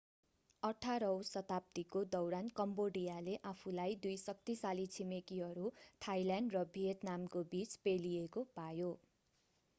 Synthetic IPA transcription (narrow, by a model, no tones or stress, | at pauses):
ʌʈʰaɾʌwsʌt̪ap̚t̪ikod̪ʌwɾankʌmboɽijaleʔapʰulajd̪ujsʌk̚t̪isalit͡sʰimekiɦʌɾut̪ʰajlaɳɖrʌbʱiɦet̪namkobit͡spelijekopajo